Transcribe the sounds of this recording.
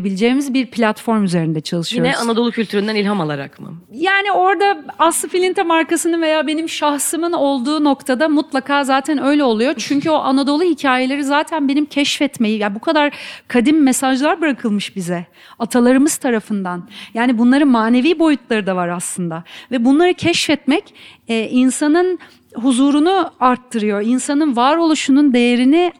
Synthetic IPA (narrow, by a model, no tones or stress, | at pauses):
bilʲid͡ʒeːimizbiɾpʰlʲat̪fo̞ɾmyze̞ɾind̪ɛt͡ʃʰalˠɯʃɯijonɛʔanad̪o̞lˠucʰylʲt̪yɾynd̪ænilʲɦamalˠaɾa̰kmɯ̰jaːnio̞ɾd̪aaslˠɯfilʲint̪ʰamaɾkasɯnɯnve̞jaːbe̞nimʃahsɯmɯno̞lˠd̪uːno̞kt̪ʰad̪amut̪lˠakʰaːzaːt̪ʰænø̞jlʲɛo̞lˠujo̞t͡ʃʰyɲcyo̞ʔanad̪o̞lˠuhicʰaːje̞lʲeɾizaːt̪ʰænbe̞nimcʰɛʃfɛt̪me̞jijabukʰad̪aɾkʰad̪imːesaʒlˠaɾbɯɾakʰɯlˠmɯʃbizɛ | at̪ʰalˠaɾɯmɯz̥t̪ʰaɾafɯnd̪anjaːnibunlˠaɾɯnmaːne̞viːbo̞jut̪lˠaɾɯd̪avaɾaslˠɯnd̪avɛbunlˠaɾɯcʰɛʃfɛt̪mɛc | ɛːʔinsanɯn | ɦuzuːɾunuaɾt̪ʰːɯɾɯjo̞insanɯnvaːɾo̞lˠuʃunund̪e̞jeɾini